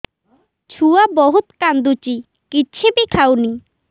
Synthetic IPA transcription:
t͡ɕʰuabɔɦut̪kand̪ut͡ɕi | kiːt͡ɕʰebikʰawni

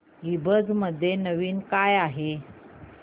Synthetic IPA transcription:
ibʱəd͡zməd̪ʱːjenəʋiːnkajaɦe

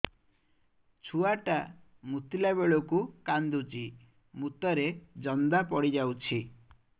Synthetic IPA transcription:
t͡ʃʰuaʈa | mut̪ilaβeɭokukand̪ut͡ʃi | mut̪ɔɾed͡ʒɔnd̪apɔɽid͡ʒawt͡ʃʰi

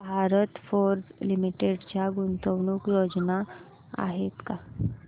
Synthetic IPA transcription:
bʱaɾət̪foɾd͡zlimiʈeɽt͡ɕjaɡunt̪əʋɳuːkjod͡zna | a̰ɦet̪ka

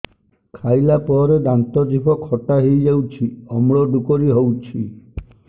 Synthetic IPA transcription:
kʰajlapɔɾed̪ant̪ɔd͡ʒibʱɔkʰɔʈaɦejd͡ʒawt͡ʃʰiɔmɭɔɖukɔɾiɦowt͡ʃʰi

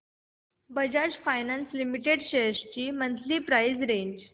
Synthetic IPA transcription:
bəd͡ʑad͡ʑfajnanslimiʈeɖɕeɕt͡ɕiːmənt͡sliːpɾajd͡zɾeɲd͡ʑ

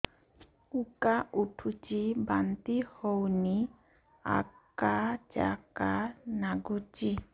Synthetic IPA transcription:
ukaʔuʈʰut͡ʃibant̪ihowni | a̰kad͡ʒa̰kanaɡut͡ʃi

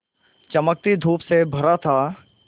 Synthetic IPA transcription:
t͡ʃɐmək̚t̪id̪ʱuːpsebʱɐɾat̪ʰaː

